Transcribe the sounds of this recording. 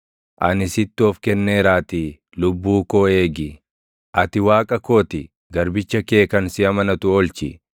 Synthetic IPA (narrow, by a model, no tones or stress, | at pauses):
ʔɐnɪsɪt̪ːʊɔfkɛnːe̞ːɾaːt̪ɪ | lʊbːuːkoːe̞ːɡɪ | ʔɐt̪ɪwaːkʼɐkoːt̪ɪ | ɡɐɾbɪt͡ʃːɐke̞ːkɐnsɪɐmɐnɐt̪ʊɔlt͡ʃɪ